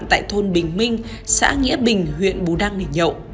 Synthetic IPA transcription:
nt̪a̰ː˧˨jt̪ʰo˧nɓï˨˩ŋ̟mï˧ŋ̟ | sa̰ː˧˥ŋḭ˧˥əɓï˨˩ŋ̟hwḭ˧˨ənɓu˨˦ɗaː˧ŋne˨˩ɲə̰˧˨wʔ

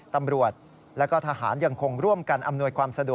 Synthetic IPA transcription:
t̪a˧mɾu˨˩ət̪̚ | lɛ˦˥wkɔː˥˩t̪ʰaː˧ɦa̰ː˩˦nja˧ŋkʰo˧ŋɾu˥˩əmka˧nʔa˧mnu˧əjkʰwaː˧msa˧du˨˩ə

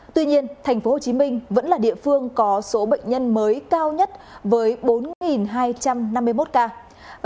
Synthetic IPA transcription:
t̪wi˧ɲi˧ənt̪ʰɛ˨˩ŋ̟fo˨˦ho˨˩t͡ɕi˨˦mï˧ŋ̟və̰˧˥nlaː˨˩ɗḭ˧˨əfɨ˧əŋkɔ˨˦so˨˦ɓə̰˧˨jŋ̟ɲə˧nməː˨˦jkaː˧wɲə˦˥t̚vəː˨˦jɓo˨˦nŋi˨˩nɦaː˧jt͡ɕa˧mna˧mːɨ˧əjmo˦˥t̚kaː˧

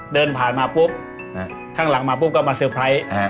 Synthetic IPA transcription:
dɤː˧npʰaː˨˩nmaː˧pʰu˦˥˩əp̚ | kʰaː˥˩ŋla˩˦ŋmaː˧pʰu˥˩p̚ka˧˥˩maː˧sɯ˧˩pʰɾa˧˥j

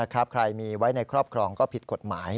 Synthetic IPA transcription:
a˦˥kʰa˦˥p̚kʰɾa˧jmiː˧wa˦˥jna˧jkʰɾɔː˥˩p̚kʰɾɔː˧ŋkɔː˥˩pʰi˨˩t̪̚ko˨˩t̪̚maː˩˦j

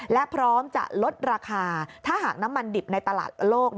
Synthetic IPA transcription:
lɛ˦˥ʔpʰɾɔː˦˥mt͡ɕa̰˨˩ʔlo˦˥t̪̚ɾaː˧kʰaː˧t̪ʰaː˥˩ɦaː˨˩k̚na˦˥mːa˧ndi˨˩p̚na˧jt̪a˧la̰ː˨˩t̪̚loː˥˩k̚

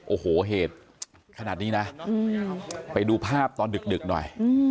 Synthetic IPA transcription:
ʔoː˨˩hoː˩˦ɦeː˨˩t̪̚ | kʰa˧naː˨˩niː˦˥na˦˥ʔɯː˧pa˧jduː˧pʰaː˥˩p̚t̪ɔː˧ndɯ˨˩k̚dɯ˨˩k̚nɔ̰˨˩jʔɯː˧

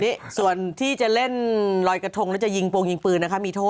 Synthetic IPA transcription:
niː˦˥su˨˩ənt̪ʰiː˥˩t͡ɕa˨˩le˥˩nlɔː˧jka˧t̪ʰo˧ŋlːɛ˦˥wt͡ɕa˨˩ji˧ŋpoː˧ŋji˧ŋpɯː˧nːa˦˥kʰa˦˥miː˧t̪ʰoː˥˩

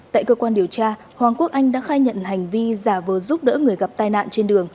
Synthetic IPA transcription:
t̪a̰ː˧˨jkəː˧kwaː˧nɗi˨˩əwt͡ɕaː˧ | hwaː˨˩ŋku˦˥ək̚ʔa˧jŋ̟ɗa̰ː˧˥xaː˧jɲə̰˧˨nɦa˨˩jŋ̟vi˧zaː˧˩vəː˨˩zu˦˥p̚ɗə̰ː˧˥ŋɨ˨˩əjɣa˨˩p̚t̪aː˧jna̰ː˧˨nt͡ɕe˧nɗɨ˨˩əŋ

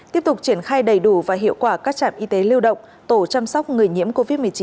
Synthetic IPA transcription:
t̪i˦˥əp̚t̪ʊ˨˩k͡p̚t͡ɕi˧˩ənxaː˧jɗə˨˩jɗu˧˩vaː˨˩ɦḭ˧˨əwkwaː˧˩kaː˦˥k̚t͡ɕa̰ː˧˨mʔi˧t̪e˨˦li˧əwɗə̰˧˨wŋ͡m | t̪o˧˩t͡ɕa˧msɔ˦˥k͡p̚ŋɨ˨˩əjɲḭ˧˥əmko˧vi˦˥t̚mɨ˨˩əjt͡ɕi˨˦

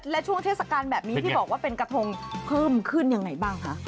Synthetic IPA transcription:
lɛ˦˥t͡ɕʰu˥˩ŋt̪ʰeː˥˩t̪sa˨˧kaː˧nbɛː˨˩p̚ni˦˥t̪ʰiː˥˩bɔː˨˩k̚waː˥˩pe˧nkɾa˧t̪ʰo˧ŋpʰɤː˥˩mkʰɯ˥˩nja˧ŋːa˧jbaː˥˩ŋkʰa˦˥ʔ

